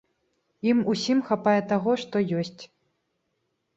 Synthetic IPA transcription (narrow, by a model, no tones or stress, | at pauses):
imusʲimxapajɛt̪aɣɔʂt̪ɔjɔsʲt͡sʲ